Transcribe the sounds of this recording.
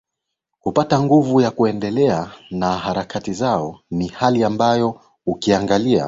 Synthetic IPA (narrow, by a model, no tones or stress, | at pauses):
kupataŋɡuvujakuɛndɛlɛanaɦaɾakatizaɔnihaliambajɔ | ukiaŋɡalia̰